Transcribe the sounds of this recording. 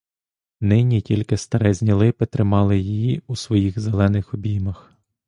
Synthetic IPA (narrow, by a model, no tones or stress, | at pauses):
nɪnʲitʲilʲkɪst̪ɐɾɛzʲnʲilˠɪpɪt̪ɾɪmɑlˠɪjijiusʋɔjiɣzelˠɛnɪxɔbʲimɐx